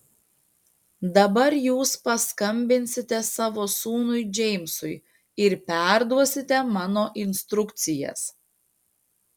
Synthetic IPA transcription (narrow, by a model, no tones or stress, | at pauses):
d̪ɐbɐɾjuːspɐskɐmʲbʲɪnʲsʲɪt̪ʲɛsɑːʋoːsuːnʊɪd͡ʒʲɛɪmsʊɪ | ɪɾpʲæˑɾd̪uɔsʲɪt̪ʲɛmɑːnoːʔɪnʲst̪ɾʊkt̪sʲɪjɛ̰s